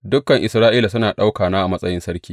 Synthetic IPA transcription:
dʊ˦kːɐ˨ŋʔɪ˨sɾaː˦ʔiː˦la˨sʊ˦naː˨ɗa˦wkaː˨naː˦ʔa˨mɐ˦sʼɐ˦jɪ˦nsɐ˦ɾkʲiː˦

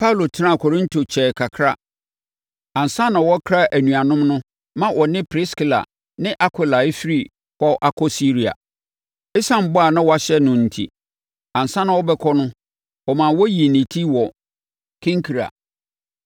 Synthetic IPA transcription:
pʰa˦u˨lo˨tʰɪ˦nã˦˨kʰɔ˨ɾĩ˦ntʰo˨t͡ɕʰɛː˨kʰa˨kʰɾa˦ | ã˨n̩˨sã˦nã˨wɔ˦kʰɾa˦ʔæ˨nũ˨a˨nʊ̃˦mnʊ̃˦ | mã˦wʔɔ˨nɪ̃˦pʰɾɪ˦ski˦˨la̰˨ | nɪ̃˦ʔa˦kʰʷɪ˦la˨e˦fi˦ɾi˨ | hɔ˦ʔa˦kʰɔ˦si˦ɾi˨a̰˨ | ɪ˦sã˦m˨bʊ˦a˨nã˦wɔ˦a˨˦ɕɛ˦nʊ̃˨n̩˨tʰḭ˦ | ã˨n̩˨sã˦nã˨wɔ˦bɛ˦kʰɔ˦nʊ̃˦ | wɔ˨mã˨wɔ˦ji˨nĩ˨tʰi˦wɔ˨ | kʰĩ˦ŋkʰi˨ɾa̰˨

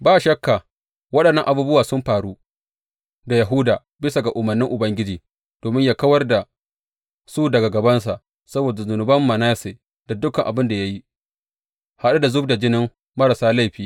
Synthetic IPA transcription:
baː˦ʃɐ˦kːa˨ | wɐ˦ɗɐ˨nːɐ˦ŋʔa˨buː˦bʊ˦waː˨sʊ˦mɸaː˨ɽu˦ | da˨ja˨ɦʊ˦daː˨ | bɪ˦sa˨ɡa˨ʔʊ˨mɐ˨nːɪ˦ŋʔʊ˨bɐ˦ŋɡʲɪ˦d͡ʒiː˨ | d̥oː˨mɪ˦ɲjaː˦˨kɐ˦wɐ˦rda˨ | su˦dɐ˨ɡa˨ɡɐ˨bɐ˦nsa˨ʔ | sɐ˦boː˨da˨zʊ˨nʊ˨bɐ˦mːɐ˨naː˦seː˨ | d̥a˨dʊ˦kɐ˨ŋʔa̰˨bɪ˦nda˨ja˦ji˦ | ha˦ɗa˦da˨zʊ˦bda˨d͡ʒɪ˦nɪ˦ŋ | mɐ˦ɾa˨saː˦la˦˨jɸiː˦

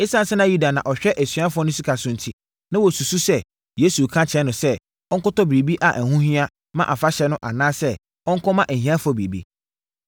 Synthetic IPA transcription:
ɪ˦sã˦n˦sɛ˦nã˦ju˦da˨nã˨ʔɔ˨ɕᶣɛ˦ʔæ˨sɥa˦fʊ˦ɔ˦nʊ̃˦si˦kʰa˨sʊ̃˨n̩˨tʰi˦ | nã˦wɔ˨su˨su˦sɛ˦ | je˨˦su˨kʰã˦t͡ɕʰɛ˨˦nʊ̃˨sɛ˦ | ɔ̃˦ŋkʊ˦tɔ˦bɾi˨bi˦ʔa˨ʔæ˨ɦũ˦hĩ˦a˦ | mã˦ʔa˨fa˦ɕɛ˦nʊ̃˦ʔa̰˨nãː˦sɛ˦ | ɔ̃˦ŋ̩˦kʰɔ̃˦mã˦ʔæ˨ɦĩ˦ã˦fʊ˨˦ɔ˦bɾḭ˨bḭ˦

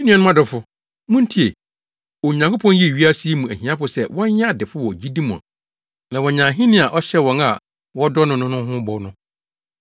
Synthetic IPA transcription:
di˦nĩ˦ɛ̃˨˦nʊ̃˦a˦dʊ˨fʊ˦ | mʊ̃˦n̩˦tʰi˦e˨ | ɔ˨ɲã˨ŋko˦pʰɔ̃˦n˦ji˦˨ɥi˦a˦si˦e˦mũ˨æ˨ɦĩ˨˦ã˦pʊ˨sɛ˦˨wɔ̃˦nja˦dɪ˨fʊ˦wɔ˨d͡ʑi˦dĩ˦mũ˨a̰˨ | nã˨wɔ̃˨ɲã˨ɦĩ˦nɪ̃˦˨a˨ʔɔ˦ɕɛ˦wɔ̃˨na˨ | wɔ˦dɔ˦nʊ̃˦nʊ̃˦nʊ̃˦hʊ̃˦bɔ˨nʊ̃˦

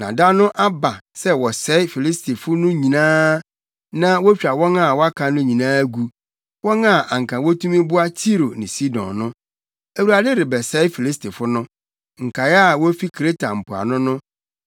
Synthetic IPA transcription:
nã˨da˦nʊ̃˦ʔa˦ba˨sɛ˦wɔ˨sɛ˨˦ɪ˦fi˨li˦stʰe˨fʊ˦nʊ̃˦ɲĩ˨nãː˦ | nã˦wɔ˦t͡ɕᶣa˨wɔ̃˦na˨wɔ˦a˦kʰã˨nʊ̃˦ɲĩ˨nãː˦ɡu˦ | wɔ̃˦nã˨ʔa˨ŋ̩˨kʰã˨wɔ˦tʰũ˦mĩ˦bʊ˦a˦tʰi˦ɾo˨nɪ̰̃˨si˦dɔ̰̃˨nːʊ̃˦ | æ˨wu˨ɾa˨dɪ˦ɾɪ˨bɛ˨sɛ˨˦ɪ˦fi˨li˦stʰi˨fʊ˦nʊ̃˦ | ŋ̩˨kʰa˨jɛ˦a˨wɔ˦fi˦kʰɾe˦tʰa˨m̩˨pʰʊ˨a̰˨nʊ̃˦nʊ̃˦

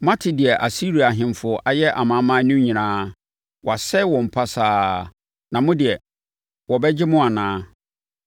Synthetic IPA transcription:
mã˦tʰɪ˨dɪ˨ɛ˨ʔa˨si˦ɾi˨a˨ɦɪ̃˨m˨fʊ˨ɔ˦ʔa˨jɛ˦ʔa˨mã˨˦mã˦nũ˦ɲĩ˨nãː˦ | wʔɔ˨a˨sɛ˦wɔ̃˨m̩˨pʰa˦saː˦ | nã˨mʊ̃˦dɪ˨ɛ˨ | wɔ˨bɛ˦d͡ʑɪ˦mʊ̃˦a˨nãː˦

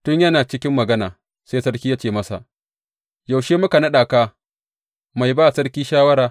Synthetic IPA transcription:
tʊ˦ɲjɐ˦naː˨t͡ʃɪ˦kʲɪ˦mːɐ˨ɡɐ˦naː˨ | seː˦sɐ˦ɽkʲiː˦jaː˦t͡ʃeː˨mɐ˦sa̰˨ʔ | ja˨wʃeː˦mʊ˦ka˨nɐ˦ɗaː˨kaː˦ | ma˨jbaː˦˨sɐ˦ɽkʲiː˦ʃaː˦wɐ˦ɾaː˨

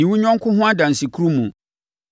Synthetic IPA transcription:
ĩ˨wu˦ɲᶣɔ̃˦ŋ˦kʰʊ̃˦ɦʊ̃˦a˦dã˨n˨si˨kʰu˦ɾu˦mũ˨

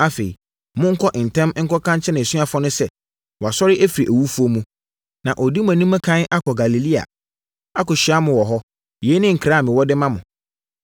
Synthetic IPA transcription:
a˦fe˨i˨ | mʊ̃˦ŋ̩˦kʰɔ˦ʔɪ˨n̩˨tʰɛ̃˦m˦ŋ̩˦kʰɔ˦kʰã˦ɲt͡ɕʰɛ˦nɪ̃˨sɥa˦fɔ̃˦nʊ̃˦sɛ˦ | wɔ˨a˨sɔ˦ɾɪ˦ʔæ˦fi˨ɾi˨ʔæ˨wu˦fu˦o˦mũ˦ | nã˨ʔɔ˨di˦mʊ̃˨æ˨nĩ˦mã˦kʰã˦n˦ʔa˦kʰɔ˨ɡa˨li˨li˦a̰˨ | a˦kɔ˨ɕᶣi˨a˦mʊ̃˨wɔ˨ɦɔ˦ | jɛ˨˦nɪ̃˦ŋ̩˨kʰɾa˦˨mɪ̃˨wɔ˦dɪ˦mã˦mʊ̃˨

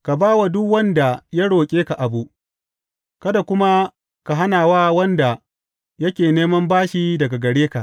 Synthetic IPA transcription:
ka˨baː˦wa˨dʊ˦kwɐ˦nda˨ja˦ɽoː˨kʲʼeː˦ka˨ʔa˨bu˦ʔ | kɐ˦da˨kʷʊ˦ma˦ | ka˨ɦa˦naː˨waː˦wɐ˦nda˨ | jɐ˦kʲeː˨neː˦mɐ˦mbaː˦ʃi˦dɐ˨ɡa˨ɡɐ˨ɽeː˦ka˨ʔ

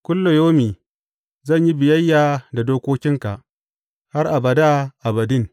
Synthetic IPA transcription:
kʷʊ˦lːo˨joː˦miː˨ | zɐ˦˨ɲji˦bɪ˨jɐ˦jːaː˨da˨doː˦kʷoː˦kʲɪ˦ŋka̰˨ʔ | ha˦rʔa˨bɐ˨daː˦ʔa˨bɐ˨dɪ˦˨ŋ

